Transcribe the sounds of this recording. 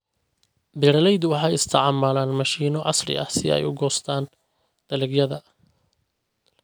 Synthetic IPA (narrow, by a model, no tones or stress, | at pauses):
bɪɾɐlɛjd̪wɑħɑːjɪst̪ʰɐʕɑmaːlaːnmɐʃiːnɔʕɑsrɪ̰ʔɐ̰hsɪð̰ɛ̰jʊɡɔːst̪ʰaːn | d̪̥ɐlɪɡjɐðɐ